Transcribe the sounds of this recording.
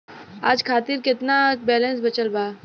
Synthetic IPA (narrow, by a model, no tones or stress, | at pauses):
aːd͡ʒkʰaːt̪ɪɾkɪt̪nabɛːlɛ̃ns̬bɐt͡ʃəlbaː